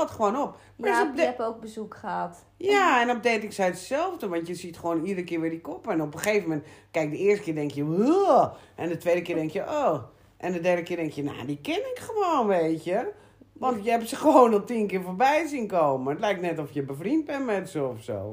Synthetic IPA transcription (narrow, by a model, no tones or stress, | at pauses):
ɔtxəʋoːnop̚ | maok̚bəzukχəat | jaɛnɔb̚detɪksɛjtəsɛlˠfdəʋɑntjəsitxəʋoːnidərəkɪːʋɪdikopɛnopəxeːvəmɛntkɛjk̚dəɪːstə̥kɪːdɛŋkjəʋu | ʔɛndətʋeːdəkɪːdɛŋkjəʔoː | ʔɛndədɛrdəkɪdɛŋkjəna̰dikɪnɪkxəʋoːnʋeːtə | ʋɔntjəɛpsəxəʋoːnɔlˠtinkɪːɹfoːrbɛjsinkoːməətlɛjk̚tnɛtɔfjəbəfrint̚bɛnmɛtsəɔfso̰ː